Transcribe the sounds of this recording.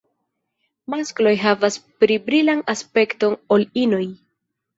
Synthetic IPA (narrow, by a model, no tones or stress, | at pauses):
masklo̞jɦavaspɾibɾilanaspe̞kto̞nolino̞j